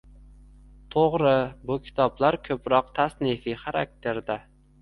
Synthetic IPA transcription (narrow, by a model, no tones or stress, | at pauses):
t̪ʰoʁɾɪbʊkʲʰɪ̥t̪ʰɒblaɾkʰɵpɾɒq̚t̪ʰasnɪfiχaɾa̰k̚t̪ʰe̞ɾd̪a